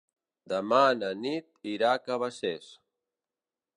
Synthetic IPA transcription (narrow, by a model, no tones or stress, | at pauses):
d̪əmananit̪iɾakəβases